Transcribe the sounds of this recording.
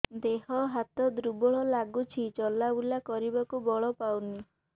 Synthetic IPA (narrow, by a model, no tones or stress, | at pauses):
d̪eɦɔɦat̪ɔd̪ɾubɔɭɔlaɡut͡ʃʰit͡ʃɔlaulakɔɾibakubɔɭɔpawni